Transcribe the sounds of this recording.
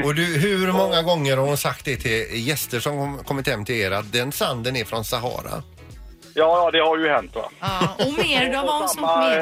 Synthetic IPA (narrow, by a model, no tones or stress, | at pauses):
ɔd̪ɵɦɵɾmɔŋːaɡɔŋːəɾhaɾʊnsak̚t̪̚d̪ɛt̪ʰɪljɛst̪əʂɔmkʰɔmːɪt̪hɛmːt̪ʰɪleːɾat̪̚d̪ɛnsand̪ənæɾfɾɔnsaɦɑ̰ːɾa̰ | jɑːjɑːd̪ɛhaɾjɵhɛnt̪va̰ɔmeːɾd̪ɔvaa